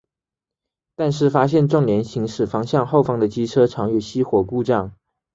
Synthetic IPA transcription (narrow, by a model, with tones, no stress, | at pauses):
t̪a˥˧nʂ̬ɻ̩˥˩fa˥ɕjɛ˥˧nʈ͡ʂʊ˥˩ŋljɛ˧˥nɕi˧˥ŋʂɻ̩˥˩fɑ˥ŋɕjɑ˥˧ŋxo˥˩ʊfɑ˥ŋd̪ə˨t͡ɕi˥ʈ͡ʂʰɤ˥ʈ͡ʂʰɑ˧˥ŋɥy˥˩ɕi˥xwɔ˨˩ku˥˧ʈ͡ʂɑ˥˩ŋ